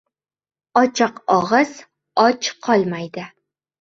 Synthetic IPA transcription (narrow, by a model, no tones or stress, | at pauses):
ɒt͡ʃʰɨqɒʁɨz̥ | ɒt͡ʃqʰɒlˠmajd̪ɪ